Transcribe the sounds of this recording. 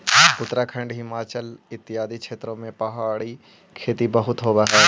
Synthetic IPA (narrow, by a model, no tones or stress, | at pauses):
ʊt̪ɾakʰə̃ɳɖɦɪmaːt͡ʃəlɪt̪ːɪjaːd̪ikʃʰeːt̪ɾõmẽpɐɦaːɽi | kʰeːt̪ibɐɦʊt̪ɦoːbəɦɛː